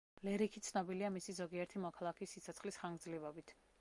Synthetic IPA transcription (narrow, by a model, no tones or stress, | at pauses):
lɛɾikʰit̪sʰnɔbiliamisizɔɡiɛɾt̪ʰimɔkʰalˠakʰisːit̪sʰɔt̪sʰχlisχaŋɡd̪zlivɔbit̪ʰ